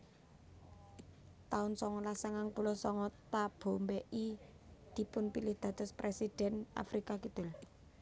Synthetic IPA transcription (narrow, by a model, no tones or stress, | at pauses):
t̪aʊnsɔŋɔlasaŋaŋpulɔsɔŋɔt̪ab̥o̤mbeʔi | d̪̥i̤pʊnpilɪhd̪̥ä̤t̪ɔspɾesid̥ɛna̰fɾikakid̪̥ʊ̤l